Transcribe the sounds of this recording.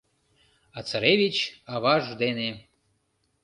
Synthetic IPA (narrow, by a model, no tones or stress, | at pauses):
ɑt͡saɾeβʲit͡ɕɑβɑʒd̪ene